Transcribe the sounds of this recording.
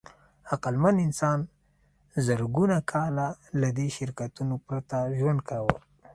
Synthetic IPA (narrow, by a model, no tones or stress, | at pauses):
aqalmanɪnsɑn | zəɾɡunakʰɑlalad̪eʃɪɾkat̪unopɾat̪aʒwand̪̚kawəl